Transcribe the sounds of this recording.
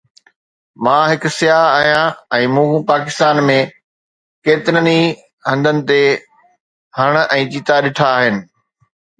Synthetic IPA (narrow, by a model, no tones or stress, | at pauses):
mãːɦɪksɪjaːɦaːɦijãɛ̃ːmũːɦũpaːkɪst̪aːnmẽ | keːt̪ɪɾəni | ɦɐ̃nd̪ʱənɪ̆t̪e | hɐɽ̃ɛ̃ːt͡ɕiːt̪aɗɪʈʰaːɦɪnɪ̆